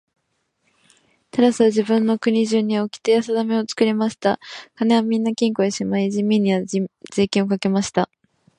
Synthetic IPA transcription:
t̪aɾasɨβad͡ʑibɯ̟̃nːo̞kɯ̟ɲ̟iʑɨɲ̟ːiokʲi̥t̪e̞jasad̪ame̞o̞t͡sɨ̥kɯ̟ɾʲimaɕi̥t̪akaneβamʲĩnːakʲĩŋko̞eɕimaiʑimʲːĩɲ̟ːiβaz̥e̞ːkʲĩɰ̃o̞kake̞maɕi̥t̪a

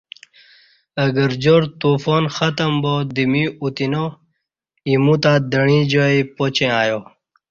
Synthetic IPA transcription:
əɡəɾd͡ʑoɾt̪ufoːnxɐt̪əmbod̪imiut̪ino | imut̪ad̪əɳ̃ĩd͡ʑoipot͡ɕẽaːjo

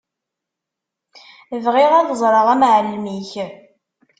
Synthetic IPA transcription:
vʁɪʁæðəzˤɾˤəʁæmʕəlːmiç

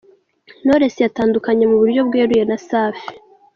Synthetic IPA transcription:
no̞ɾe̞sejataːndukaɲe̞muβuɾjo̞bɡeːɾuje̞nasaːfi

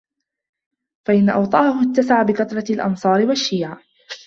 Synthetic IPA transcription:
faʔɪnːaʔɑwt̪ˤɑːhʊt̪ːasaʕabɪkɑt̪ɾˤɑlʔɑ̰nsˤɑːɾɪwaʃːiːʕa

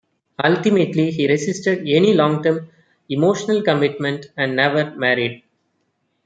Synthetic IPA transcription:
ʌlʈɪmeʈliɦiːɾɪsɪsʈəɖɛnilɔ̃ːŋʈəɾm | ɪmoːʃənəlkʌmɪʈmɛ̃ɳʈæ̃ɳɖnɛʋəɾmæɾiɖ

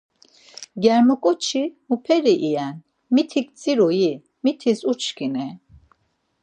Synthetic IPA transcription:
ɡɛɾmɔkʼɔt͡ʃʰimupʰɛɾiʔiɛn | mit̪ʰik̚ʼt͡sʼiɾɔji | mit̪ʰisut͡ʃʰkinɛ

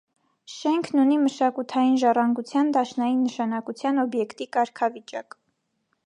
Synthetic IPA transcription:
ʃɛŋkʰnuniməʃɑkut̪ʰɑjinʒɑrɑŋɡut͡sʰjɑnd̪ɑʃnɑjinːəʃɑnɑkut͡sʰjɑnɔbjɛkt̪ikɑɾkʰɑvit͡ʃɑk

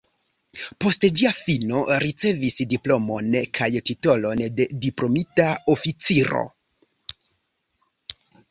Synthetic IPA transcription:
po̞std͡ʒiafino̞ɾit͡se̞visdiplo̞mo̞nkʰajtito̞lo̞nde̞diplo̞mitao̞fit͡siɾo̞̰

